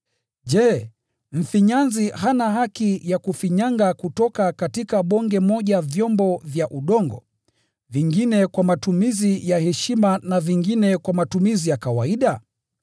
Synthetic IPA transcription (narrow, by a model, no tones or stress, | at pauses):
ʄɛ | m̩fiɲanziɦanahakijakufiɲaŋɡakutɔkatkatikaɓɔŋɡɛmɔʄavjɔmbɔvjaʔuɗɔŋɡɔ̰ | viŋɡinɛkwamatumizijahɛʃimanaviŋɡinɛkwamatumizijakawaiɗa